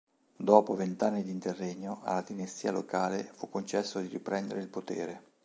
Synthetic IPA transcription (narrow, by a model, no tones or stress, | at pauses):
d̪ɔːpovent̪anːid̪int̪erːeɲːoʔa̰lad̪inest̪iːalokaːlefukːont͡ʃɛsːod̪iɾipɾɛnd̪eɾeilpot̪ḛːɾe